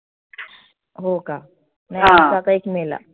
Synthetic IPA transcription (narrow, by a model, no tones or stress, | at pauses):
ɦoka | najãsakaekmela̰